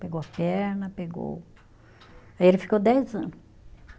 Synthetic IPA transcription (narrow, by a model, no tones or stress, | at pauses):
peɡowɐpɛɾnɐpeɡo̰w | aielɪfi̥kod̪ɛjzɐ̃nʊs